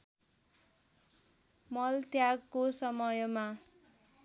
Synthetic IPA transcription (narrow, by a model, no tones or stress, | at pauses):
mʌlt̪jaɡkosʌmʌjma